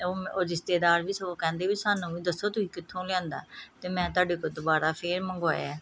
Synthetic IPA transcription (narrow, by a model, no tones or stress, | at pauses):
oːoːɾɪst̪eːd̪aːɾʋiːsəoːkɛ̃ːnd̪eːʋiːsaːnũːiːd̪əsoːt̪ʊĩːkɪt̪ʰːõːlãːnd̪a̰ːt̪eːmɛ̃ːt̪̬ʊaːɖeːkoːd̪ʊbaːɾaːpʰeːɾməŋɡa̰ːjɛː